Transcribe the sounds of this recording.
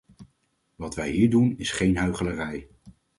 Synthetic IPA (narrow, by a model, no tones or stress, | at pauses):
ʋɑtʋɛjɦiːɹdunɪsχejnɦœɥχələrɛj